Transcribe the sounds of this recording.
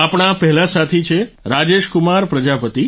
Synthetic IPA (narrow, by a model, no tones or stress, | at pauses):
apɳ̃apɛɦɛlasat̪ʰit͡ʃʰeɾad͡ʒeʃkumaɾpɾəd͡ʒapət̪i